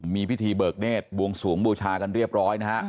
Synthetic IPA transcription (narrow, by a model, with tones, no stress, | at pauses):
miː˧pʰi˦˥t̪ʰiː˧bɤː˨˩k̚neː˥˩t̪̚bu˧əŋsuː˩˦ŋbuː˧t͡ɕʰaː˧ka˧nɾi˥˩əp̚ɾɔː˦˥jna˦˥a˦˥